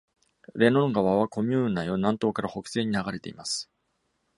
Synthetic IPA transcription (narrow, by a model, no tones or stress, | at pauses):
ɾe̞nõ̞ŋɡaβaβako̞mʲɯːnajonãnt̪o̞ːkaɾaho̞kɯ̟̥se̞ːɲ̟inaɡaɾe̞t̪e̞imasɨ̥